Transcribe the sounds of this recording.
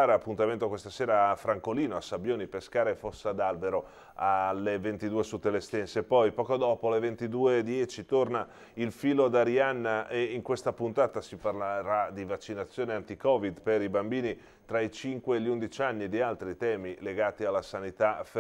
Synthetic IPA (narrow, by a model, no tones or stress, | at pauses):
aɾeapːunt̪ament̪okwest̪aseːɾaːfɾaŋkoliːnoasːabjoːnipeskaːɾefosːad̪albeɾo | alːevent̪id̪uːesut̪ːelest̪ɛnsepɔjpɔːkod̪ɔːpolevent̪id̪uːed̪jɛt͡ʃit̪orna | ilfiːlod̪aɾjanːaʔeiŋkwest̪apunt̪aːt̪asiparleɾad̪ivat͡ʃːinat̪sːjoːneant̪ikɔːvid̪peɾibambiːni | t̪ɾait͡ʃiŋkweːʎːund̪it͡ʃanːid̪ialt̪ɾit̪ɛːmileɡaːt̪ialːasanit̪af